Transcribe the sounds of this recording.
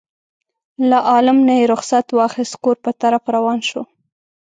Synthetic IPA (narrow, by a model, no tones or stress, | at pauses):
laʔɑlɪmnajeɾʊxsat̪wɑxɪst̪koɾpət̪aɾafɾawɑnʃo